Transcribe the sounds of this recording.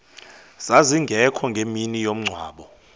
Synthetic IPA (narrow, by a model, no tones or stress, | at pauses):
z̥aziŋɡʱɛkʰɔŋɡʱeminijom̩ŋ͡ǀʱwa̰ːɓɔ